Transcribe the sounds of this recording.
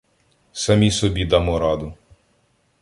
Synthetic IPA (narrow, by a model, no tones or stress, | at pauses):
sɐmʲisɔbʲid̪ɑmɔɾɑd̪ʊ